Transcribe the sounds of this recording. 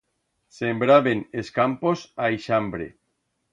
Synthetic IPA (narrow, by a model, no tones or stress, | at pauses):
sembɾaβeneskamposajʃambɾḛ